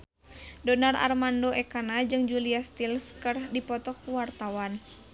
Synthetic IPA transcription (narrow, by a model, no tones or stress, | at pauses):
dɔnara̰rmandoʔɛkanad͡ʒɨŋd͡ʒuliast̪ilskɨrdipɔt̪ɔkuwart̪awan